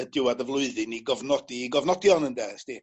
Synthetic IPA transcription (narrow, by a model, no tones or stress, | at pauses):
ədɪwadəvlˠʊɨðɨniɡɔvnɔdiɡɔvnɔdjɔnəndɛsti